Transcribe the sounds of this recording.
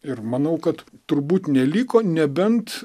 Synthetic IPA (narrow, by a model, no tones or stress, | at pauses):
ɪrmɐnɐʊkɐt̪t̪ʊɾbuːt̪nʲɛlʲiːkoːnʲɛbʲɛnt̪